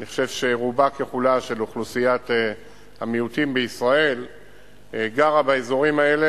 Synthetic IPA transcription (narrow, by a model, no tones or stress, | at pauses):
niχo̥ʃe̞vʃe̞ʁubakeχulaʃe̞luχlusijat̪e | amiut̪imbeisʁae̞l | ɡaʁabaezo̞ʁimae̞le